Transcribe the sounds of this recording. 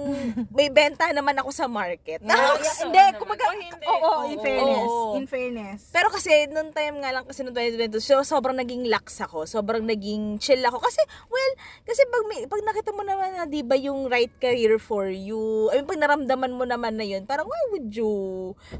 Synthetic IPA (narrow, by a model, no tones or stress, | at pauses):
ŋmɐjbɛnt̪ɐhnɐmanɐko̞sɐmaɹkɛt̪̚nɐɪnd̪ɛkʊmbɐɡaoʔoɪnfɛɛɪnfɛnɛspɛːɾo̞kɐsɛnʊŋt̪ajmŋalɐŋkɐsɛnʊnt̪aj̪d̪ɛnt̪osɛoso̞ːbɾɐŋnɐɡɪŋlaksɐko̞so̞ːbɾɐŋnɐɡɪŋt͡ʃɛlɐko̞kɐsɛwɛlkɐsɛpɐɡ̚mɐpɐɡ̚nɐkiːt̪ɐmo̞nɐmanːɐd̪ibɐjʊŋɾajt̪̚kɐɾiːɹfoɹjuʔɐjopɐɡ̚nɐɾɐmd̪ɐmanmo̞nɐmanːɐjo̞npaːɾɐŋwajwʊd̪̚ju